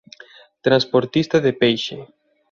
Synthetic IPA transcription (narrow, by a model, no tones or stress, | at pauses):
t̪ɾanspoɾt̪ist̪aðepejʃḛ